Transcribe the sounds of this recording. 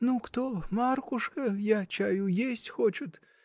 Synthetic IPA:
nukt̪omarkʊʂkəjat͡ʃajujesʲtʲxot͡ʃʊt̪

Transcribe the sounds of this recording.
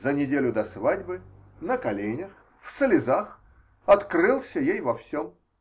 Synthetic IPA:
zənʲɪdʲelʲʊd̪ɐsvadʲbɨnəkɐlʲenʲəx | fslʲɪzax | ɐt̪krɨlˠsʲəjejvɐfsʲom

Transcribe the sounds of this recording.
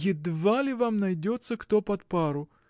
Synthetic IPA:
jɪd̪valʲɪvamnɐjdʲot̪sːəkt̪opɐt̪paɾʊ

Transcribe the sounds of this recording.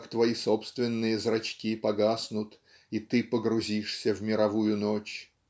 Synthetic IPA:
kt̪vɐiso̞pst̪vʲɪnːɨjəzrɐt͡ɕkʲipɐɡasnʊt̪ | it̪ɨpəɡɾʊzʲiʂsʲəvmʲɪɾɐvujʊnot͡ɕ

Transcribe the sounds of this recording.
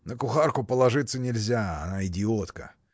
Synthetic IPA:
nəkʊxarkʊpəlˠɐʐɨt̪sənʲɪlʲzʲaɐ̰naɪdʲɪo̞t̪kə̰

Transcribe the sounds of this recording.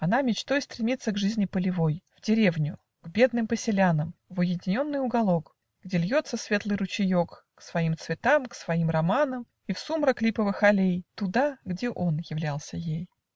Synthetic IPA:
ɐnamʲɪt͡ɕt̪o̞jɪst̪ɾʲɪmʲit̪sːəɡʐɨzʲnʲɪpəlʲɪvo̞jv̥dʲɪɾʲe̞vnʲʊ | ɡ̥bʲe̞d̪nɨmpəsʲɪlʲanəmvʊjɪdʲɪnʲo̞nːɨjʊɡɐlˠo̞k | ɡdʲelʲjo̞t̪səsvʲe̞t̪lˠɨjɾʊt͡ɕɪjo̞k | ksvɐimt̪svʲɪt̪amksvɐimrɐmanəm | ifsumɾəklʲipəvɨxɐlʲejt̪ʊd̪aɡdʲeʔo̞njɪvlʲalˠsʲəjej

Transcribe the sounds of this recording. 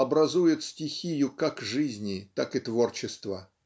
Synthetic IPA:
ɐbɾɐzujɪt̪sʲtʲɪxʲijʊkakʐɨzʲnʲɪt̪akɨt̪vo̞rt͡ɕɪst̪və̰

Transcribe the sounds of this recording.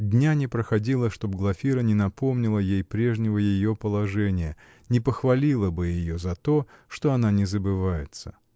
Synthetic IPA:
d̪ʲnʲanʲɪpɾəxɐdʲilˠəʂt̪o̞bɡlˠɐfʲiɾənʲɪnɐpo̞mnʲɪlˠəjejpɾʲe̞ʐnʲɪvəjɪjo̞pəlˠɐʐɛnʲɪjə | nʲɪpəxvɐlʲilˠəbɨjjɪjo̞zɐt̪o̞ʂt̪o̞ɐn̪anʲɪzəbɨvajɪt̪sə̥

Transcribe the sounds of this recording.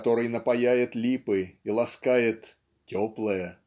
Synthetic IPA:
t̪oɾɨjnəpajajɪt̪lʲipɨilˠɐskajɪt̪ | tʲoplˠəjə

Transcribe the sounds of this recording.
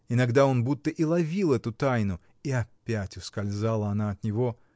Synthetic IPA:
ɪnɐɡd̪ao̞nbut̪ːəʔilˠɐvʲilˠɛt̪ʊt̪ajnʊ | iɐpʲːætʲʊskɐlʲzalˠəɐnaɐt̪nʲɪvo

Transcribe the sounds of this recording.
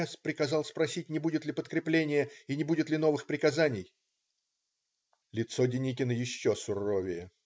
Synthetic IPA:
spɾʲɪkɐzɑlˠspɾɐsʲit̚ʲnʲɪbudʲɪt̪lʲɪpət̪kɾʲɪplʲenʲɪjəinʲɪbudʲɪt̪lʲɪno̞vɨxpɾʲɪkɐzanʲɪj | lʲɪt̪sodʲɪnʲikʲɪnəjɪɕːosʊrovʲɪjə

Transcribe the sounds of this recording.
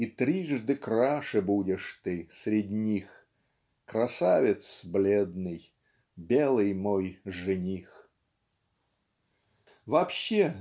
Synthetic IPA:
it̪ɾʲiʐd̪ɨkɾaʂɨbudʲɪʂt̪ɨsʲɾʲɪdʲnʲix | kɾɐsavʲɪt̪sblʲed̪nɨj | bʲelˠɨjmojʐɨnʲix | vɐpɕːe

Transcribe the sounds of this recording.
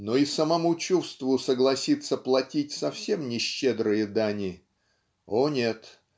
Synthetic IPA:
noisəmɐmut͡ɕufst̪vʊsəɡlˠɐsʲit̪sːəplˠɐtʲitʲsɐfsʲe̞mnʲɪɕːed̪ɾɨjəd̪anʲɪ | onʲet̪

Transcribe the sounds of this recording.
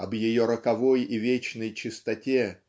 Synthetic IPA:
ɐbjɪjo̞ɾəkɐvo̞jivʲet͡ɕnəjt͡ɕɪst̪ɐtʲe

